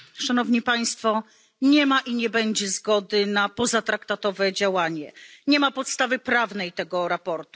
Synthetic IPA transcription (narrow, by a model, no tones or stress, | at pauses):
ʂanɔvɲipaj̃st̪fɔ | ɲɛmaʔiɲɛbɛɲd͡ʑɛzɡɔd̪ɘnapɔzat̪ɾakt̪at̪ɔvɛd͡ʑawaɲɛɲɛmapɔt̪st̪avɘpɾavnɛjt̪ɛɡɔɾapɔɾt̪u